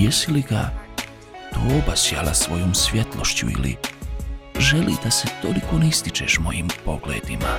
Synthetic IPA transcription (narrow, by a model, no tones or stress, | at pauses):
jesiliɡa | d̪̥oːbasjalasʋo̞joːmsʋʲje̞t̪lˠo̞ʃt͡ɕṵḭlḭ | ʒelḭd̪aset̪o̞liko̞nist̪it͡ʃḛʃmo̞jimpo̞ɡlḛːd̪ima̰